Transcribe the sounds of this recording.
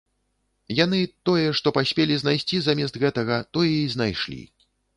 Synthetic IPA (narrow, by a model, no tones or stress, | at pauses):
janɨt̪ɔjɛʂt̪ɔpasʲpʲelʲiznajsʲt͡sʲizamʲɛst̪ɣɛt̪ɐɣɐt̪ɔjɛizn̪ajʂlʲḭ